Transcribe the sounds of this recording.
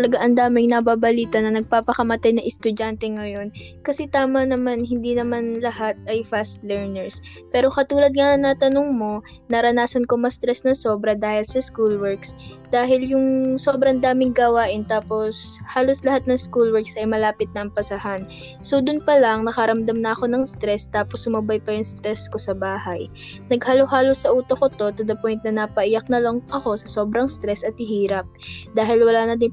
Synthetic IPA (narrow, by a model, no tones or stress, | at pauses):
t̪ɐlɐɡaʔɐnd̪aːmɪŋnɐbaːbɐliːt̪ɐnɐnɐɡ̚paːpɐkɐmɐt̪ajnɐŋʔɛst̪ʊd͡ʒant̪ɛŋɐjo̞nkɐsɛt̪aːmɐnɐmanhɪnd̪inɐmanlɐhat̪̚ɐjfast̪lɛɹnɛɹs | pɛːɾo̞kɐt̪uːlɐd̪̚ŋɐʔɐŋnɐt̪ɐnoŋmo̞ | nɐɾɐnaːsɐnkomɐst̪ɾɛsnɐsoːbɾɐd̪aːhɪlsɐskulwɛɹks | d̪̥aːɦɪljʊŋsobɾɐnd̪aːmɪŋɡawaːʔɪnt̪aːpo̞shaːlo̞slɐhat̪̚nɐŋskulwɛɹksʔɐjmɐlaːpɪt̪̚nɐʔɐmpɐsɐhan | sod̪ʊnpɐlɐŋnɐkɐɾɐmd̪ɐmnɐʔɐko̞nɐŋst̪ɾɛst̪aːposhʊmɐbajpɐjʊŋst̪ɾɛsko̞sɐbaːhɐj | nɐɡhɐlohaːlosːɐʔuːt̪okot̪o̞t̪od̪ɐpojnt̪̚nɐnɐpɐʔɪjak̚nɐlɐŋʔɐko̞sɐso̞bɾɐŋst̪ɾɛsɐt̪̚hɪɦiːɾɐp̚d̪aːɦɪlwɐlaːnɐd̪ɪ